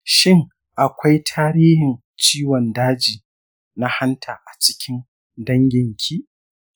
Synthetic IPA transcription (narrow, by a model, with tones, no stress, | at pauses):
ʃɪ˦ŋ | ʔa˨kʷa˦jtʰaː˦ɾiː˦hɪ˨n | t͡ʃiː˦wɔ˨ndaː˦d͡ʒiː˨ | na˦ha˦ntʰaː˨ʔa˨t͡ʃɪ̥˦kʲɪ˦n | dɐ˦ŋɡʲɪ˨ŋkʲʰiː˦ʔ